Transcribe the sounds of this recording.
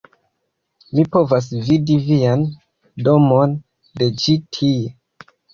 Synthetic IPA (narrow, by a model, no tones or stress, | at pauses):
mipo̞vas̬vidivian | do̞mon | de̞d͡ʒitʰie